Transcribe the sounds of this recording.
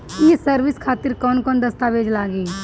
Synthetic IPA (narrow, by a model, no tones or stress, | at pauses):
jesəɾʋɪskʰaːt̪ɪɾkɔːnkɔːnd̪ɐst̪aʋeːd͡ʒlaːɡiː